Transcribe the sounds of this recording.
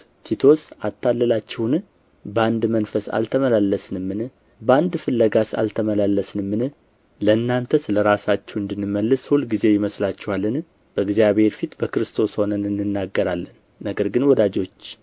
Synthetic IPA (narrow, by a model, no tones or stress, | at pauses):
t̪ʰit̪ʰo̞sat̪ʰːalːəlat͡ʃːɛwn | bəand̪mənfəsa̰lt̪ʰəməlalːəsnɨmːɨnɨ | bəand̪fɨlːəɡasa̰lt̪ʰəməlalːəsnɨmːɨnɨ | ləɨnːant̪ʰəsɨləɾasat͡ʃːɛwɨnd̪ɨnːɨmːəlːɨshulɡize̞jɪməslat͡ʃːɛwalːɨn | b̥əɡzjaβhe̞ɾfit̪bəkɨɾɨst̪ʰo̞sho̞nənɨnːɨnːaɡːəɾalːənːəɡəɾɡɨnwɔd̪ad͡ʒo̞t͡ʃː